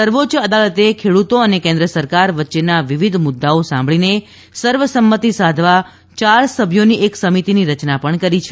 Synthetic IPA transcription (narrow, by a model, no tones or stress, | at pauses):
səɾʋot͡ʃəd̪alət̪ekʰeɽut̪oənekẽnd̪ɾəsəɾkaɾʋətːʃenaʋiʋid̪ʱmʊd̪ːaosã̰mbʱɭine | səɾʋəsəmːət̪isad̪ʱʋa | t͡ʃaɾsəbʱjoniʔeksəmit̪iniɾət͡ʃnapəɳkəɾit͡ʃʰ